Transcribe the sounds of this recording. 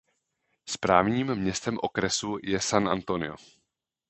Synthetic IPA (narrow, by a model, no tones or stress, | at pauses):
spɾaːvɲiːmːɲɛst̪ɛmʔo̞kɾɛsujɛsanʔa̰nt̪o̞nɪ̰o̰